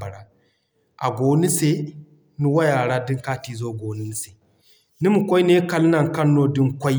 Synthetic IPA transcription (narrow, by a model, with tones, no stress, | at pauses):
ba˨ɽa˦ | ʔa˨ɡʷoː˨ni˦se˦ | ni˦wa˦ja˨ɽa˦di˦ŋkaː˦tiː˨zoː˦˨ɡʷoː˨ni˦ni˦se˨ | ni˦mu˨kʷa˦ne˦kɐ˦lnɐ˦ŋkɐ˦nːoː˦di˦ŋkʷa˦